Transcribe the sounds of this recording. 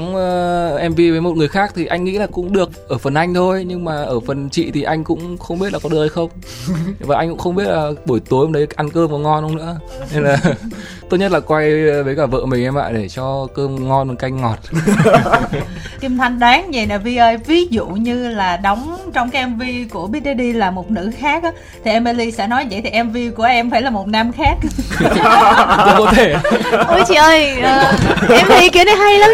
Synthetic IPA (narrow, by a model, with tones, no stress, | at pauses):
ʔɛ˧mvi˧və˨˦jmo˨˩t̚ŋɨ˨˩əjxaː˦˥k̚t̪ʰi˨˩ʔa˧jŋ̟ːḭ˧˥laː˨˩kʊ̰˧˥ŋ͡mɗɨ˨˩ək̚ʔəː˧˩fə˨˩nʔa˧jŋ̟t̪ʰo˧jɲɨ˧ŋmaː˨˩ʔəː˧˩fə˨˩nt͡ɕḭ˧˨t̪ʰi˨˩ʔa˧jŋ̟kʊ̰˧˥ŋ͡mxə˧wŋ͡mɓi˦˥t̚laː˨˩kɔ˨˦ɗək̚ha˧jxə˧wŋ͡m | vaː˨˩ʔa˧jŋkʊ̰˧˥ŋ͡mxə˧wŋ͡mɓi˦˥ət̚laː˨˩ɓu˧˩əjt̪u˨˦jʔɗə˨˦ʔa˧nkəː˧məː˨˩˦ŋɔ˧nhə˧wŋ͡mnɨ̰˧˥əne˧nlaː˨˩ | t̪o˦˥t̚ɲə˥t̚laː˨˩kwa˧jvəː˨˦jkaː˧˩və̰ː˧˨mï˨˩ŋ̟ʔɛ˧ma̰ː˧˨jɗe˧˩t͡ɕɔ˧kəː˧mŋɔ˧nmə˨˩ka˧jŋŋɔ˨˩t̚ | ki˧mt̪ʰa˧jŋ̟ɗaː˨˦ŋɲə˨˩naː˨˩vi˧ʔəː˧jvi˨˦zṵ˧˨ɲɨ˧laː˨˩ɗɔ˨˦wŋ͡mt͡ɕɔ˧wŋ͡mkaː˨˦˥ʔɛ˧mvi˧ku˧˩əɓi˦˥t̚ɗe˧ɗi˧laː˨˩mo˨˩t̚nɨ̰˧˥xaː˦˥k̚ʔaː˨˦ | t̪ʰi˨˩ʔɛ˧mʔe˧li˧sɛ̰˧˥nɔ˨˦˧zə̰˧˨˩t̪i˨˩ʔɛ˧mvi˧ku˧˩əʔɛ˧mfaː˧˩jlaː˨˩mo˨˩t̚na˧mxaː˦˥k̚ | ku˧˦ko˨˦t̪ʰe˧˩ʔo˨˦t͡ɕi˧˩əː˧jʔəː˧˩˨ʔɛ˧mvi˧ki˧ənə˨˦ɦa˧jla˨˦